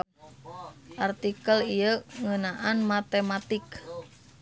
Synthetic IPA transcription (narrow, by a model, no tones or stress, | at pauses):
ʔart̪ikəlijəŋənaʔanmat̪emat̪ik